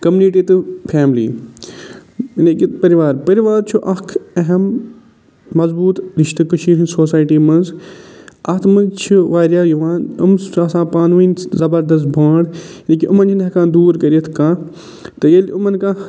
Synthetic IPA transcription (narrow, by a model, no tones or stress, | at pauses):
kɐmuniʈiːt̪ɨpʰeːmlḭː | nekit̪pɐɾiʋaːɾpɐɾiʋaːɾt͡ʃʰuʔɐkʰɐɦɐmː | ɐzbuːt̪ɾiʃt̪ɨkɐʃiːɾinsoːsaːjʈiːmɐnz | ʔɐt̪ʰmɐnzt͡ʃʰuʋaːɾjaːjuʋãːnumasãːpaːnʋiːnzɐbɐɾd̪ɐs̬t̪̚bʱaːɽ | nekiʔʊmɐnd͡ʒʰinɐkãːd̪uːɾkɐɾijɐt̪ʰkãː | t̪ɨjelumɐnkãː